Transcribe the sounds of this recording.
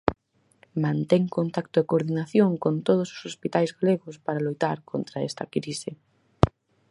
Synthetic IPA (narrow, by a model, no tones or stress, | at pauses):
mãnt̪ɛŋkont̪akt̪ʊekoɾðinaθjoŋkont̪oð̞ʊso̥sospit̪ajzɣaleɣʊspaɾalojt̪aɾkʰont̪ɾaɛst̪akɾisɪ